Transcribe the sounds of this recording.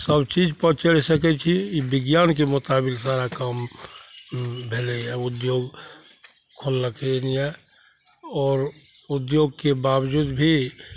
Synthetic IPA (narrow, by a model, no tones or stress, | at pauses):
səbt͡ʃiːd͡ʒpət͡ʃəɽsəkɛt͡ʃʰiibɪɡjaːnkemʊt̪aːbɪlsaːɾakəm | bʱeːleɦɛʊd̪joːɡ | kʰolːəkʰeniɦɛ | ɔːɾ | ʊd̪joːɡ̚kebaːbd͡ʒuːd̪bʱi